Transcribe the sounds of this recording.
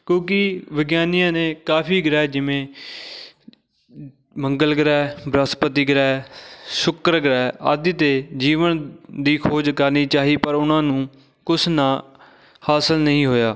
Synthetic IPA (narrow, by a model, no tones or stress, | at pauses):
kjõːkɪʋɪɡjaːnɪjãːneːkaːpʰiːɡɾɛːd͡ʒɪʋẽː | məŋɡəlɡɾɛːbɾəspət̪̬iːɡɾɛːsʊkɾɡɾɛːə̰d̪t̪eːd͡ʒiːʋənd̪iːkʰoːd͡ʒkəɾniːt͡ʃaːɦiːpəɾʊnãːnũː | kʊsʰnãː | haːsəlnəɦĩːɦoːjaː